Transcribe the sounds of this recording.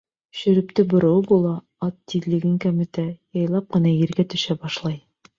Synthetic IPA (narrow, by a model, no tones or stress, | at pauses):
ɕɵ̆ɾɘ̆pt̪ɘbŏɾɤ̆wbulˠɑ | ɑt̪ːiðlɘ̆ɡɘŋkæmɘ̆t̪æjɑjlˠɑp̚qɤ̆nɑjɘ̆ɾɡæt̪ɵ̆ʃæbɑʃlˠɑj